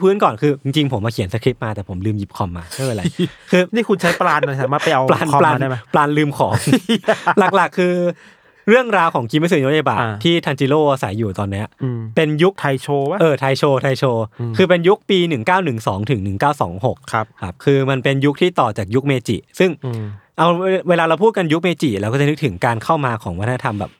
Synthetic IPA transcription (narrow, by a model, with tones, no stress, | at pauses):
pʰɯː˦˥nkɔː˨˩nkʰɯː˧t͡ɕi˧ŋt͡ɕi˧ŋpʰo˨˩˦mːaː˧ki˨˩˦ənsa˧kʰɾi˦˥p̚maː˧t̪ɛː˨˩pʰo˩˦mlɯː˧mji˨˩p̚kʰɔ˧mːaː˧a˥˩wa˧˩la˧jkʰɯː˧niː˥˩kʰu˧nt͡ɕʰa˦˥jplaː˧na˧˩saː˨˦maː˥˩t̪̚pa˧jʔa˧wplaː˧nplaː˧˥˧plaː˧nlɯː˧mkʰɔː˩˦ŋ | la˨˩k̚la˨˩kʰːɯː˧ | ɾɯ˥˩əŋɾaː˧wkʰɔː˩˦ŋkʰi˧˦˥ma˧˥˩sɯ˨˩ju˦˥ja˧˩ba̰ː˨˩iː˥˩t̪ʰa˧nt͡ɕi˧loː˥˩ʔa˧sa̰˩˦jːuː˨˩t̪ɔː˧nːi˦˥ɐ˧pe˧nju˦˥k̚t̪ʰa˧jt͡ɕʰoː˧a˦˥ʔɤː˧˩t̪ʰa˧jt͡ɕʰoː˧t̪ʰa˧jt͡ɕʰoː˧kʰɯː˧pe˧nju˦˥k̚piː˧nɯ˨˩ŋkaː˥˩wnɯ˨˩ŋsɔː˩˦ŋt̪ʰɯ˨˩˦ŋnɯ˨˩ŋkaː˥˩wsɔ̰ː˩˦ŋɦo˨˩k̚kʰa˦a˦˥p̚kʰɯː˧ma˧npe˧nju˦˥k̚t̪ʰiː˥˩t̪ɔː˨˩t͡ɕaː˨˩k̚ju˦˥k̚meː˧t͡ɕḭ˨˩sɯ˥˩ŋʔa˧wweː˧laː˧ɾa˧wpʰuː˥˩t̪̚ka˧nju˦˥k̚meː˧t͡ɕi˨˩lɛː˧˦˥wkɔː˥˩a˨˩nɯ˦˥k̚t̪ʰɯ˩˦ŋkaː˧nkʰa˥˩wmaː˧kʰɔ̰ː˩˦ŋwa˦t̪ʰa˧na˧t̪ʰa˧mbɛ̰ː˨˩p̚